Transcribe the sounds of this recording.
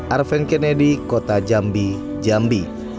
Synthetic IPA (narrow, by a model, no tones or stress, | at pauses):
ʔarfɛnkɛnɛdikot̪ad͡ʒambi | d͡ʒambi